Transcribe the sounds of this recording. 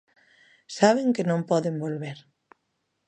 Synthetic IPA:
saβ̞eŋkenõmpɔðembolβeɾ

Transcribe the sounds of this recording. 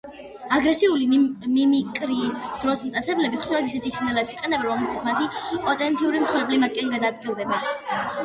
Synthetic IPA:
aɡɾɛsiulimimikʼɾiːsd̪̥ɾɔsmt̪ʼat̪sʰɛblɛbiχʃuɾɛt̪isɛt̪ʰiʃinɛlɛpsiqʼɛnɛbɛɾɔamist̪ʰat̪ʰmat̪ʰipʼɔt̪ʼɛnt̪sʰiuɾimt̪sʰwɛɾɛblimat̪̚ʰkʼɛnɡad̪ad̪̚ɡilˠd̪ɛba

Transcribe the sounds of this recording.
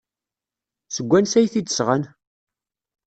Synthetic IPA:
səɡʷːænsæjθid̪əsʁən

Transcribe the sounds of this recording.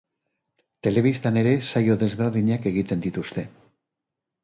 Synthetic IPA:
t̪e̞le̞βist̪ane̞ɾe̞sajo̞ðe̞zβe̞ɾðiɲake̞ɣ̞it̪e̞nd̪it̪ust̪e̞

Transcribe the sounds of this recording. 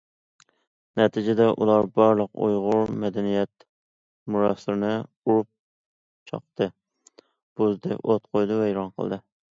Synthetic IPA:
nɛt̪ʰɪd͡ʒɪd̪ɛʔṵlˠɑɾbɑɾlˠəqṵjʁʊɾmɛd̪ɛnijɛt̪ | muɾɑsɨɾnɪ | uɾup̚ | t͡ʃʰɑ̰qt̪ɨ | b̥ozd̪ɪ̰ʔot̪qʰojd̪ɨvɛjɾɑnqʰə̰lˠd̪ɨ

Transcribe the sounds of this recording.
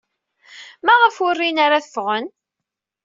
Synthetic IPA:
mæʁəfʊrːinaɾaθəfʁən

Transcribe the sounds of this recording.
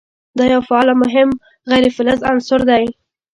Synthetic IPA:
d̪ɑjawfaɑlamʊɦɪm | ɣajɾefɪlazansʊɾd̪aj

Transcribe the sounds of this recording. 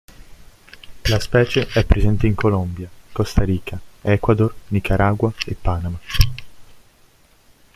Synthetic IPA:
laspɛːt͡ʃeʔɛpːɾezɛnt̪eiŋkolombjakost̪aɾiːkʰaɛkwad̪ornikaɾʔaːɡwaepːaːnama

